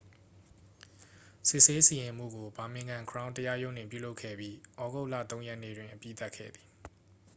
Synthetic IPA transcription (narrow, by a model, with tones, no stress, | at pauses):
sɪ˦ʔse˦si˨jɪ̃˨m̥ṵ˦˨ɡo˨ba˨mɪ̃˨ŋɡã˨ŋkʰəɹã˦ʊ̃ntəja˦jõ˦ʊ̃n̥ɪ̰̃˦˨p̬jṵ˦˨lo˦ʊkʰɛ̰˦˨bji˦ʔɔ˦ɡo˦ʊʔlä̰˦˨t̪õ˦ʊ̃jɛ˦ʔnḛ˦˨dwɪ̃˨ʔəpjḭ˦˨t̪a˦ʔkʰːɛ̰˦˨d̪ði˨